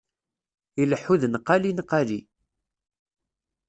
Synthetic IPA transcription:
iləħːuðənəqːalinəqːali

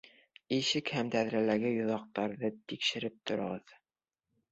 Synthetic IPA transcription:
iʃɘkhæmd̪æðɾælæɡɘjŏðɑq̚t̪ɑɾðɤt̪ikʃɘ̆ɾɘp̚t̪ʰŏɾɤ̆ʁɤð

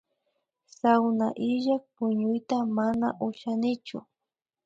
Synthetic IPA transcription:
sawnaʔɪʒak̚pʊɲʊjt̪amanaʔʊʃanɪt͡ʃʊ̰

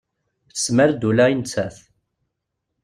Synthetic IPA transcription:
θə̥sməɾd̪ulæjint͡sːæθ

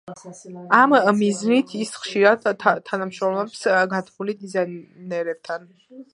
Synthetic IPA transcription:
amːiznit̪ʰisχʃiɾad̪t̪ʰːanamʃɾɔmlɛpsɡat̪ʰχulid̪izanɛɾɛb̚t̪ʰan

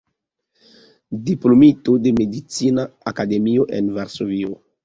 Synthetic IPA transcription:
diplomit̪od̪emed̪it͡sinaakademioʔenvaɾsovio

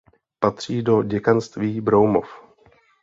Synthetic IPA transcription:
pat̪r̝̥iːdo̞ɟɛkanst̪viːbɾowmo̰f

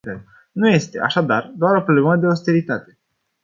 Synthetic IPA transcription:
nuje̞st̪e̞ʔa̰ʃad̪ard̪oaɾo̞pɾobleməd̪e̞ost̪eɾit̪at̪e̞

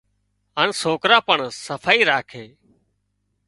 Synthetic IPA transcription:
ɦaːnsoːkɾaːpəɳsəfʰaːiːɾaːkʰeː

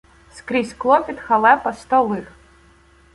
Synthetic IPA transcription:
skɾʲisʲklˠɔpʲid̪xɐlˠɛpɐst̪ɔlˠɪx

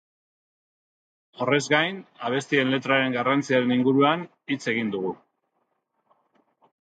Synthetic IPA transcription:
o̞re̞zɡajnaβ̞e̞st̪ie̞nle̞t̪ɾaɾe̞ŋɡarant͡siaɾe̞niŋɡuɾuan | it͡se̞ɣind̪uɣ̞u

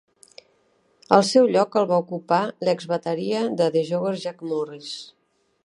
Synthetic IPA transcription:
əlˠsɛwʎɔkəlˠβaukupaləɡzβət̪əɾiəðəðəʒoɣəzʒakmuris

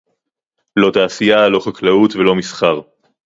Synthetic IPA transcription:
lo̞t̪aːsijalo̞χaklaut̪velo̞misχaʁ

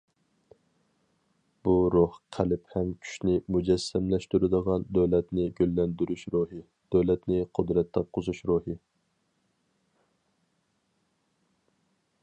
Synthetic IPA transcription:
b̥uɾohqʰælɪphɛmkʲʰy̥ʃnɪmud͡ʒɛsːɛmlɛʃt̪yɾɪd̪əʁɑnd̪øwlɛt̪nɪɡʲølːɛnd̪yɾyʃɾuɦɨ | d̪̥øwlɛt̪nɪqʰʊd̪ɾɛt̪ʰːɑp̚qʰʊzuʃɾuhɨ

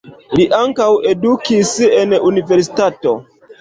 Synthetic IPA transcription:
liʔaŋkawe̞dukisenunive̞ɾs̬i̥tato̞

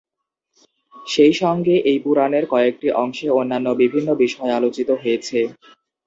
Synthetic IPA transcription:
ʃejʃɔŋɡeʔejpuɾaneɾkɔeek̚ʈiʔɔŋʃeonːanːobibʱinːobiʃɔealot͡ɕit̪oɦojet͡ɕʰe

